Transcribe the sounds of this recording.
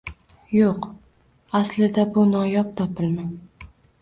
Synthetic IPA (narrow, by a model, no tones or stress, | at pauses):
joq | aslɪd̪abʊnɒjɒp̚t̪ʰɒpʰɪlma